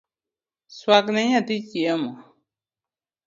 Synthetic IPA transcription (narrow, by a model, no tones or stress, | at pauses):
swaknẽɲãt̪it͡ʃiamõ